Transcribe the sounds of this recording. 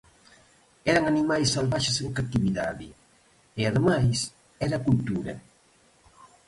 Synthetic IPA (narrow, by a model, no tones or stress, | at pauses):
ɛɾɐŋanimajsːalβaʃeseðokat̪iβiða̰ðɪ | eaðemajs | ɛɾakult̪uɾɐ̰